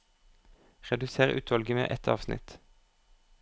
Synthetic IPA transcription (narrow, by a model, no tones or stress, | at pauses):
ʁɛd̪ʉseːʁʉ̰ːt̪ʰʋɑlɡəmḛːʔɛt̪ʰɑ̰ːʋsnɪ̰t̪